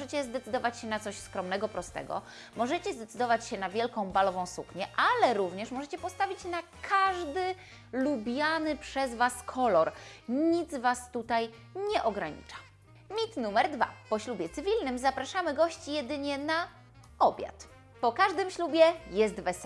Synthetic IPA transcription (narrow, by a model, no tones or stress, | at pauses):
ɛt͡ɕɛzd̪ɛt̪sɘd̪ɔvat͡ɕɕɛnat̪sɔɕskɾɔmnɛɡɔpɾɔst̪ɛ̰ɡɔ̰ | mɔʐɛt͡ɕɛzd̪ɛt̪sd̪ɔvat͡ɕɕɛnavʲjɛlkɔ̃w̃balɔvɔ̃w̃sukɲɛʔalɛɾuvɲɛʂmɔʐɛt͡ɕɛpɔst̪avʲit͡ɕnakʰaʐd̪ɘ | lubʲjanɘpʂɛzvaskʰɔlɔɾɲit̪zvast̪ut̪aj | ɲɛʔɔɡɾaɲḭt͡ʂḁ | mʲit̪numɛɾd̪va̰pɔɕlubʲjɛt̪sɘvʲilnɘmzapɾaʂamɘɡɔɕt͡ɕijɛd̪ɘɲɛna | ɔbʲja̰t̪ | pɔkaʐd̪ɘmɕlubʲjɛjɛst̪vɛsɛ